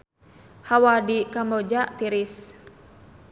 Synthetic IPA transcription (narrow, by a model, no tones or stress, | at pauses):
hawadikamod͡ʒaʔt̪iɾis